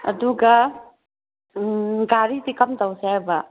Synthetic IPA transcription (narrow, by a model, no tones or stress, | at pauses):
ɐ̰d̪uɡa | ɡaɾit̪ikamt̪awsaba